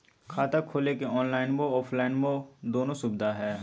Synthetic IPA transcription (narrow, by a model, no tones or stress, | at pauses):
kʰaːt̪akʰoːlekeɔːnlaːɪnboɔːfʰlaːɪnbod̪oːnõsʊbd̪aɦɛː